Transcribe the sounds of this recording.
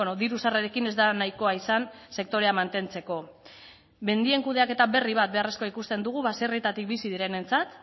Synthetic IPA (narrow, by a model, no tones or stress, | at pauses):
noðiɾusaraɾe̞kine̞zd̪anajko̞aisanse̞k̚t̪o̞ɾe̞amant̪e̞nt͡se̞ko̞ | me̞nd̪ie̞ŋkuð̞eake̞t̪abe̞riβ̞at̪̚be̞are̞sko̞ikust̪e̞nd̪uɣ̞uβase̞riet̪at̪ik̚bisiðiɾe̞ne̞nt͡sat̪